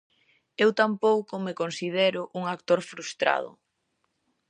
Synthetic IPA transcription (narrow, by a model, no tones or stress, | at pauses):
ewt̪ampowkʊmekonsiðɛɾʊʔuŋakt̪oɾfɾust̪ɾa̰ð̞ʊ̰